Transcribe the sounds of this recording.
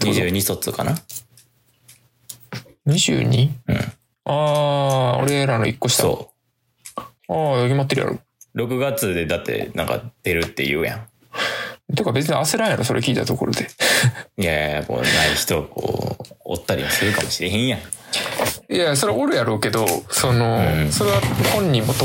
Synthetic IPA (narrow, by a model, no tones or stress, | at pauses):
ɲiʑɨːɲ̟iso̞t͡sɨkana | ɲ̟iʑɨ̰ːɲ̟iɯ̃ | aːo̰ɾe̞ɾano̰ikːoɕi̥tao̰ː | ajoɡʲimat̪̬ːeɾɯja̰ɾo̰ː | ɾo̞kɯ̟ɡat͡sɨd̪e̞d̪at̪ːe̞̰nã̰ŋka̰d̪̥e̞ɾɯ̟t̪ːe̞jɯ̟ːjã̰ | t̪ekabe̞t͡s̬ɨɲeʔaseɾaenoso̞ɾe̞kʲiːt̪at̪o̞koɾo̞d̪e̞ | jaamo̰ːnaiçi̥t̪o̞ko̰ːo̰t̪ːaɾʲḭmisɨɾɯ̟kamo̞̥ɕiɾeɦẽɰ̃jã | jaso̞ɾeaʔoɾɯ̟jaɾoːke̞d̪o̞so̞no̞so̞ɾe̞βahõ̞ɲ̟ːimmot̪ːo